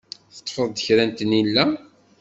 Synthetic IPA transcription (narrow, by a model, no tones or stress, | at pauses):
θə̥t̪ˤːfəðˤd̪əçɾænt̪ənilːæ